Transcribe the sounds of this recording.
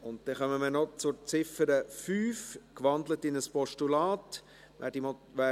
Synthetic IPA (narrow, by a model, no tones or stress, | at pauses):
ʊnt̚d̥ɛχœməmənɔt͡sʊɾt͡sɪfəɾəfyːfkʋɑndlətɪnəspɔʃtulɑːt | ʋæːd̥imɔʋæː